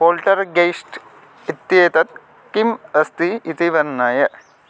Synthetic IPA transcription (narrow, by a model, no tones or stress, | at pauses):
poːlʈɐɾɡejsʈ | it̪jeːt̪ɐt̪ | kimɐst̪iit̪iʋɐɾnaːjɐ